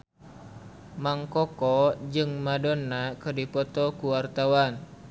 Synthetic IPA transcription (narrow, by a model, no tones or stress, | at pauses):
maŋkɔkɔd͡ʒɨŋmadɔnːakɨrdipɔt̪ɔkuwart̪awan